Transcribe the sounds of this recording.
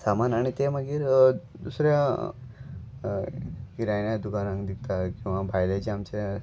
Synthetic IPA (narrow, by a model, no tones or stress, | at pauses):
samanaɽ̃it̪eməɡiːɾ | d̪usɾja | iɾajnjad̪ukanãŋd̪ikt̪akĩw̃ʋabʱajlat͡ɕiamt͡ɕe